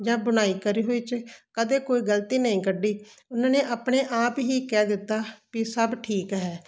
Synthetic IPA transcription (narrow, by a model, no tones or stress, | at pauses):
d͡ʒãːbəɽ̃aːiːkəɾiːɦoːiːt͡ʃkəd̪eːkoːiːɡəlt̪iːnəĩːkəɖːiːʊnãːneːʔaːpɽeːʔaːpɦiːkɛːd̪ɪt̪ːaːkisəbʈʰiːkɦɛː